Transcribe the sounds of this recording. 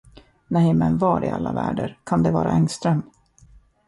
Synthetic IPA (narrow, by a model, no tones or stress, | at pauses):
nɛjmɛnvɑːɾɪalːavæːɖəɾkʰand̪ɛvɑːɾaɛŋst̪ɾɛmː